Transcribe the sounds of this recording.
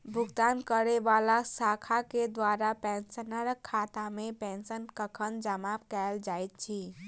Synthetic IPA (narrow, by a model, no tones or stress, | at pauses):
bʱuɡt̪ankəɾebalasakʰaked̪waɾapɛnsənəɾəkʰːat̪amepensənkəkʰənd͡ʒəmapkald͡ʒajt̪̚t͡ʃʰi